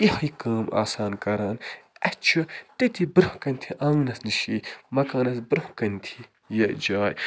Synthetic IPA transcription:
ihɐjikaːma̰ːsaːnkɐɾaːnɐt͡ʃʰut̪et̪ʰibɾɨhkɐnʲt̪ʰiʔɐ̃ŋnɐsnɨʃimɐkaːnɐsbɾɨhkɐnt̪ʰi | jɐd͡ʒaːj

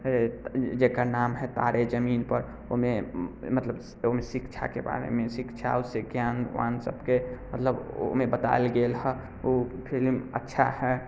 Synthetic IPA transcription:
d͡ʒekanamɦɛt̪a̰ɾed͡ʒəminpəɾ | omẽmət̪ləb | omẽsikt͡ʃʰa̰keba̰ɾḛmẽsikt͡ʃʰa̰useɡjanʋa̰nsə̰bkemət̪ləbo̰mẽbət̪a̰elɡelɦɛ | opʰilmə̰tːʃʰa̰hɛ

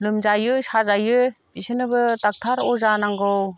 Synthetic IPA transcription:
lɯmzajɯsazajɯbisɯnɯbɯtak̚tʰaɾɔzanaŋɡɔw

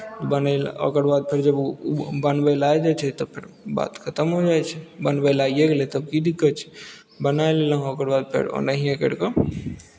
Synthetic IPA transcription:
t̪bənɛlo̰kəɾbad̪̚pʰeɾd͡ʒəbbənbəlajd͡ʒat͡ʃʰɛt̪əbpʰeɾ | ba̰t̪kʰət̪əmɦod͡ʒajt͡ʃʰɛbənbəlajeɡelɛt̪əb̚kid̪ikːət͡ʃʰɛ̥ | bənajleləɦokəɾbad̪̚pʰḛɾo̰nəɦiekḛɽkɔ

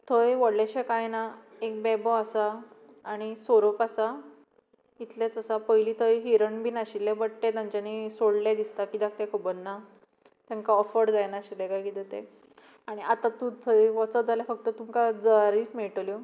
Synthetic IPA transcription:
t̪ʰəjʋəɽleɕekajna | ek̚bɛbɔasaː | ɽ̃isoɾopasa | it̪lẽt͡səsapəjliːt̪ʰəjɦiɾəɳbʱinaɕilːẽbəɽʈẽt̪ãɲt͡ɕanisoɽled̪ist̪akid̪ak̚ʰt̪ɛ̃kʰəbənnːa | t̪jãŋkaɔfəɽd͡zajnaɕid̪ɛɡajkit̪ət̪e | aɽ̃iat̪at̪ũt̪ʰəjʋɔt͡səd͡zaljafək̚t̪ət̪umkad͡zəaɾiːt͡smeɭʈəljo

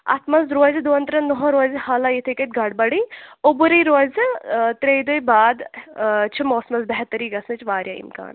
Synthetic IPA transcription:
ɐ̰t̪mɐzɾoːzd̪oːɐnt̪ɾɐnnːɔɦõɾoːzhaːlajit̪ʰikɐt̪̚ʲɡɐɽbɐɽiːobuɾiːɾoːzʲt̪ɾejd̪ojbaːd̪t͡ʃʰimoːsmɐzbɛɦt̪ːɐɾiːɡɐsnɐt͡ʃʰʋaːɾʲja̰ːḭmka̰ːn

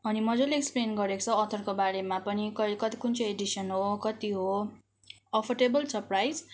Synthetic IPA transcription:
ʌnimʌd͡zʌleeksplenɡʌɾekot͡sʰʌːt̪ʰʌrkobaɾemapʌnikʌkʌt̪ikunt͡sʰʌjeɖisʌnɦokʌt̪iɦo | ʌpʰʌrʈebʌlsʰʌprajz

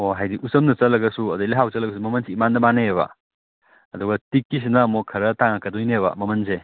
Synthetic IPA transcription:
oɦajdiʔusɐmnɐt͡ʃɐlːɐɡɐsuɐdɐliɦawt͡ʃɐlːɐɡɐs̬umɐmɐnsiːmandɐmaneeβɐ̰ | ɐdɔɡɐtikːis̬inɐːmokʰɐɾɐtaŋakːɐdojnebɐ̰mɐmɐnse

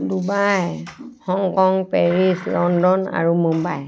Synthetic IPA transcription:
dubajhɔŋkɔŋpeɹislɔndɔna̰ɹumumbaj

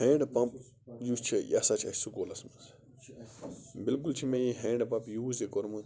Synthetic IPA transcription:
hẽːɳɖpɐp | juːt͡ʃʰijasat͡ʃʰɐ̰sukoːlɐsmɐz | bilkult͡ʃʰimẽjiɦẽːɳɖpɐpjuːzekoɾmɨ

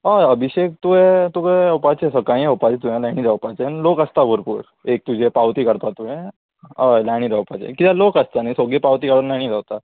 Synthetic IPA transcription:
aəbʱiɕek̚t̪uet̪ukaopat͡ɕesəkaĩeopat͡ɕet̪uɦẽlaɽ̃ĩɾawpat͡ɕenlokəst̪abʱəɾpṵːɾ | ek̚t̪ud͡ʑʱepawt̪iːkəɽt̪at̪uẽ | alaɽ̃iːɾawpat͡ɕḛkit̪alokəst̪anaisoɡepawt̪iːkaɽunlaɽ̃ĩɾawt̪a

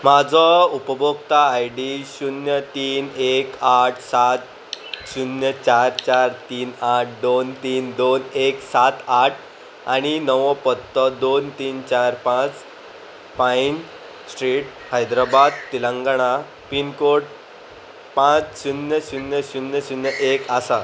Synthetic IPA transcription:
mad͡zʱɔupəbʱokt̪aːjɖiɕunjət̪iːnekaʈʰsat̪ | ɕunjət͡ɕaɾt͡ɕaɾt̪iːnaʈ̚ʰd̪ont̪iːnd̪oneksat̪aʈʰ | aɽ̃inəʋəpət̪ːəd̪ont̪iːnt͡ɕaɾpãt͡s | pain | sʈɾiːʈ | hajd̪ɾabad̪̚t̪ilãŋɡaɽ̃a | pinkoɽ | pãt͡sɕunjəɕunjəɕunjəɕunjəʔekasa

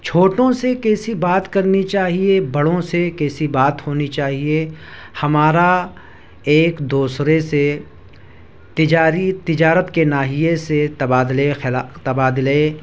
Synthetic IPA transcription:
t͡ʃʰoːʈõsekɛːsibaːt̪kɐɾnit͡ʃaːɦiebɐɽõsekɛːsibaːt̪hoːnit͡ʃaːɦie | hɐmaːɾa | eːkd̪uːsɾese | t̪ɪd͡ʒaːɾit̪ɪd͡ʒaːɾət̪kenaːɦijeset̪ɐbaːd̪lexɪlat̪ɐbaːd̪le

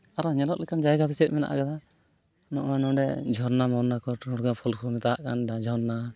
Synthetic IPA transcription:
aɾɔɲɛlɔʔ̚lɛkand͡ʒajɡat̪ɛt͡ʃɛt̪̚mɛna̰ʔa̰ɡad̪a | nɔʔɔnɔ̃ɖɛ̰d͡ʒʱɔɾnamɔɾnakɔʈɔɽɡapʰɔlsɔmɛt̪aɦaʔkanɖad͡ʒʱɔɾna

